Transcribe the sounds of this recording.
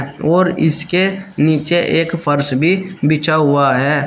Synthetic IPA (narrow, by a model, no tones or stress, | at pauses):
ɔːɾɪ̰skeniːt͡ʃeʔeːkfʰəɾsbʱibɪt͡ʃaɦʊaɦɛː